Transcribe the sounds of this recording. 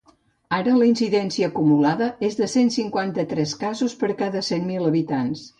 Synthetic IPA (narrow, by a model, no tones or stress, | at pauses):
aɾələinsiðɛnsiəːkumulaðəezðəsensiŋkwant̪ət̪ɾɛskazuspəɾkaðəsenmiləβit̪ans